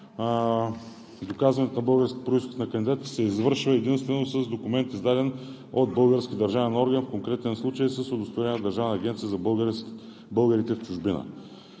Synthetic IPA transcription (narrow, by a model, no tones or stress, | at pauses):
d̪okazvɐnɛt̪onɐbɤlˠɡəɾskʲit̪pɾoisxʊo̥t̪nɐkənd̪ʲid̪at̪ə̥sɛizvɤɾʃvəɛd̪inst̪vɛnosəzd̪okʊmɛnt̪izd̪ad̪ɛn | od̪̚bɤlˠɡəɾskʲid̪əɾʒavɛnoɾɡənfkoŋkɾɛt̪ɛnslˠut͡ʃəjsəsod̪ost̪ojɛnʲəd̪ɐɾʒavnəɐːɡʲɛnt̪sijəzɐbˠɡ | bɤlˠɡəɾit̪ɛft͡ʃuʒbinə̰